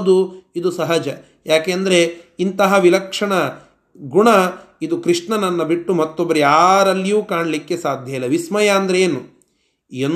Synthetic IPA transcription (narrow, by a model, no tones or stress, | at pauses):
d̪uid̪usɐɦɐd͡ʒɐ | jaːkeːɐnd̪ɐɾe̞int̪ɐɦɐʋilɐkʂɐɳɐ | ɡuɳɐid̪ukɾiʂɳɐnɐnːɐbiʈːumɐt̪ːobːɐɾeaːɾɐlːijuːkaːɳlikːe̞saːd̪ʱjɐjlːɐʋismɐjɐɐnd̪ɐɾeeːnu | en